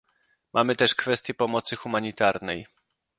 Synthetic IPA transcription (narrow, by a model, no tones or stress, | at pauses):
mʔamɘt̪ɛʂkfɛst̪jɛpɔmɔt̪sɘxumaɲit̪aɾnɛj